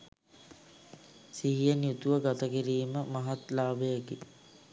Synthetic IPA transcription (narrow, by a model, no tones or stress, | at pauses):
siɦijənjut̪uʋəɡat̪əkiɾiːməmaɦat̪laːbejəki